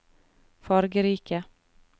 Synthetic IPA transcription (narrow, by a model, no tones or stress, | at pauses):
fɑːɾɡəɾiːkə